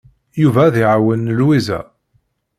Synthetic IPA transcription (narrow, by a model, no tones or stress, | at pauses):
juvæðiʕawənːəlwizæ̰